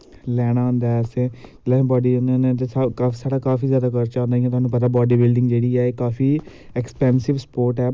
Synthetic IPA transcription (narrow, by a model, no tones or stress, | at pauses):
lɛːɽ̃ãːnd̪aɛseː | lɛːbɔːɖiːonãnet̪̬eːsakaːsaːɽaːkaːfiːzjaːd̪aːkəɾt͡ʃãːnd̪aːĩɛ̃t̪ʊɦaːnũːp̬ət̪̬aːbɔːɖiːbɪlɖɪ̃ŋɡd͡ʒeːɽiːɛːeːkaːfʰiː | ɛkspɛ̃ːnsɪʋspoːɾʈɛː